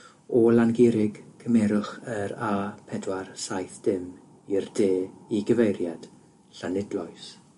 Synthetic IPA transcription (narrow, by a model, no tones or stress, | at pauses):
ɔlanɡɪɾɪɡkʰəmɛɾʊχəɾaːpʰɛdwarsajθd̥ɪm | irdeːiɡəvejɾjad̥ | ɬanɪdlˠɔjs